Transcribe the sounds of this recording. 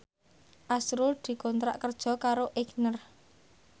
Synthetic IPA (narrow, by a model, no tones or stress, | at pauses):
ʔasɾʊld̪̥i̤kɔnt̪ɾa̰ʔkərd̥ʒ̥ɔ̤kaɾoʔeɡnər